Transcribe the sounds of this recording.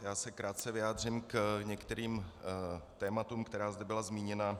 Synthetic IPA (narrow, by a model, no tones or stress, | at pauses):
jaːsɛkɾaːt̪̚t͡sɛvɪjaːd̪r̝ɪmkɲɛkt̪ɛɾiːm | t̪ɛːmat̪uːmkt̪ɛɾaːzd̪ɛbɪlazmiːɲɛna